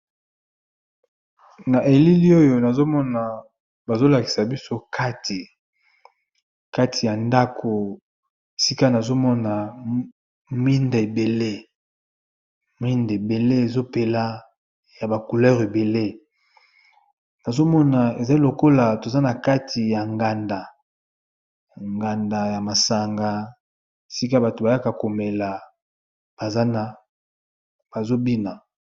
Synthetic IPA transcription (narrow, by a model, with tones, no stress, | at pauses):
na˨ʔe˨li˦li˦o˦jo˦na˨zo˦mɔ˦na˨ | ba˨zo˦la˨ki̥˨sa˨bi˦so˦kʰa˦ti˨ | ka˦tʰi˨ja˨nda˦kʰo˨ | e˨si˦ka˦na˨zo˦mɔ˦na˨ | mi˦nde˨be˨le˦ | mi˦nde˨be˨le˦e˨zo˦pe˨la˦ | ja˨ba˨ku˨lɛ˦ʁe˨be˨le˦ | na˨zo˦mɔ˦na˨e˨za˨i˦lo˨ko˦la˨to˨za˦na˨ka˦tʰi˨ja˨ŋɡa˨nda˨ | ŋɡa˨nda˨ja˨ma˨sa˨ŋɡa˦ | si˦ka˦ba˨to˨ba˨ja˦ka˨ko˨me˨la˨ | b̥a˨za˦na˨ | b̥a˨zo˦bi˦na˨